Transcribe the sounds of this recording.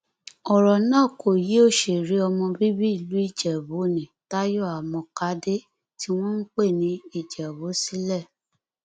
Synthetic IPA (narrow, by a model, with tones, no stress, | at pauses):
ɔ˨ɾɔ˨nã˦˨kʰo˨ji˨˦o˦˨ʃe˨ɾi˨˦ɔ˧mɔ̃˧bi˦bi˦i˨lu˨˦i˦˨d͡ʒɛ˨bo˨˦nĩ˨ta˦jɔ˦˨a˨mɔ̃˧ka˨˦de˦ | ti˦w̃ɔ̃˦n̩˦k͡pe˦˨nĩ˨˧˦i˦˨d͡ʒɛ˨wo˨˦si˦lɛ˦˨